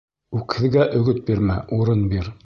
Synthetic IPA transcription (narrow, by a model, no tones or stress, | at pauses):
ʉkhɘ̆ðɡæʔɵ̆ɡɵt̪̚biɾmæʔuɾɤnbiɾ